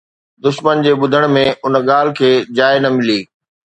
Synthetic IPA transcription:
d̪ʊʃmənd͡ʑeːɓʊd̪ʱəɽ̃mẽʊnəɠaːl̤ɪkʰeːd͡ʑaːɪnɐmɪliː

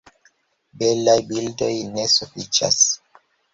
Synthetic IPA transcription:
belajbildo̞jnesufit͡ʃa̰s

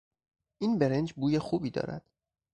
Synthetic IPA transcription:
ʔiːnbe̞ɾe̞nd͡ʒbuːjexuːbiːd̪ɒ̰ːɾæ̰d̪̥

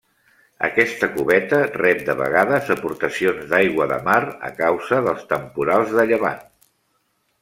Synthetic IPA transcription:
ə̰kɛst̪əkuβɛt̪ərɛp̚d̪əβə̰ɣaðəzəpuɾt̪əsionzd̪ajɣwəðə̰marə̰kawzəðəlˠst̪əmpuɾalˠzðəʎəβa̰n

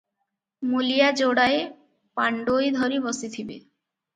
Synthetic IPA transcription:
mulijad͡ʑoɽae | paɳɖojd̪ʱɔɾibɔsit̪ʰibḛ

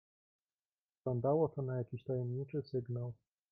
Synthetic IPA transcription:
ɔnd̪awɔt̪ɔnajakʲiɕt̪ajɛmɲit͡ʂɘsɘɡnaw

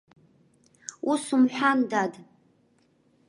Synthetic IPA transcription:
usumħʷᶣandad

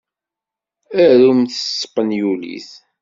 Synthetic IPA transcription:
æɾumθə̥sːqːənjulḭθ

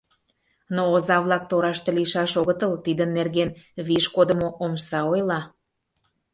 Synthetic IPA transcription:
noːzɑβlɑk̚t̪oɾɑʃt̪ĕliʃɑʃoɣət̪əlt̪id̪ənːerɣenβiʃkod̪ə̆moʔomsɑojlɑ

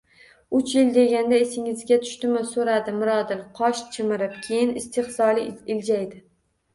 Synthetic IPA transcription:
ʊt͡ʃjɪld̪e̞ɡʲand̪aesɪŋɪzɡʲat̪ʰʊ̥ʃt̪ɪmɪsoɾad̪ɪmʊɾɒd̪ɪlˠqʰɒʃt͡ʃʰɪmɪɾɪpkʲʰe̞jɪnɪst̪ʰɪχsɒlˠɪɪld͡ʒajd̪ɪ

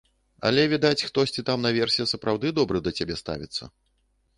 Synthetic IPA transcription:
ɐ̰lʲɛvʲid̪at͡sʲxt̪ɔsʲt͡sʲit̪amnɐvʲɛrsʲijɐsɐpɾawd̪ɨd̪ɔbɾɨd̪ɐt͡sʲabʲɛst̪a̰vʲḭt̪sːɐ̰

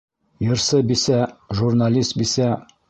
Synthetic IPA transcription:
jɤ̆ɾsɤbisæʒurnalʲist̪̚bisæ

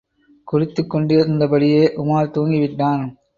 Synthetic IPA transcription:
kʊrɪt̪ːɯkːɔɳɖɪɐɾɯnd̪ɐpɐɽɪjeːʔʊmaːɾt̪oːŋɡɪʋɪʈːaːn

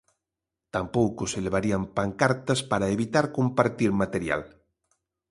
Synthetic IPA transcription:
t̪ampowkoseleβ̞aɾiampaŋkaɾt̪ɐspaɾaeβit̪aɾkompaɾt̪iɾmat̪eɾja̰l

